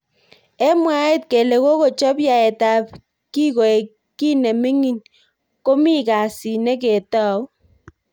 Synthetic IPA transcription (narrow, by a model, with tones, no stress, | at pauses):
e˦mwa˦e˦tke˨le˨ko˦ko˨t͡ʃɔ˦pja˨ɛ˨ta˨p | ki˦ko˨e˨ | ki˦ne˨mi˦ŋi˦n | ko˦mi˦ka˨si˨ne˦ke˨tɔ˦˨w